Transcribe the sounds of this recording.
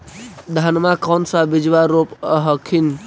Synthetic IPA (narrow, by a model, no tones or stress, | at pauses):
d̪ʱanmakɔnsãbid͡ʒʋaɾopəɦəkʰin